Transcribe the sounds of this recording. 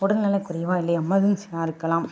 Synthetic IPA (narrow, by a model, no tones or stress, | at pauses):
ɔɽɯnnɐlɐkʊɾɐjʋaːɪlːɐɪɐmːɐðɯnsɛaːɪɾɯkːɐlaːm